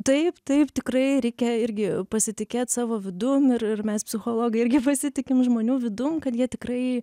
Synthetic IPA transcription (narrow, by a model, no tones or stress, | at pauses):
t̪ɐɪpt̪ɐɪpt̪ʲɪkrɐɪɾʲɛɪkʲɛɪɾʲɡʲɪpɐsʲɪt̪ʲɪkʲeːt̪sɑːʋoːʋʲɪd̪ʊmɪrɪrmʲɛspʲsʲɪxoːlˠoːɡɐɪɪɾʲɡʲɪpɐsʲɪt̪ʲɪkʲɪmʒmoːnʲuːʋʲɪd̪ʊmkɐt̪jiɛt̪ʲɪkɾɐɪ